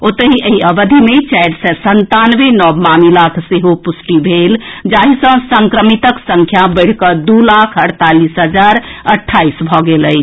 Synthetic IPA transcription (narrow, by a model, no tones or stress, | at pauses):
ot̪əɦiʔəɦiəbəd̪ʱimet͡ʃaɖsə̃sənt̪anʋenɔbmamilakʰseɦopusʈibʱeld͡ʒaɦisə̃səŋkɾəmit̪əksə̃ŋkʰjabəɪɽ̤kəd̪ulakʰəɽt̪alisɦəd͡ʒaɾəʈʰːaisbʱɔɡeləjt͡ʃʰ